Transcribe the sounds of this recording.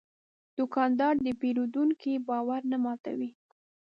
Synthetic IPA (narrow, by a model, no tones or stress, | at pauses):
d̪̥ʊkɑnd̪ɑɽd̪əpeɾud̪uŋkibɑwaɾnamɑt̪a̰wi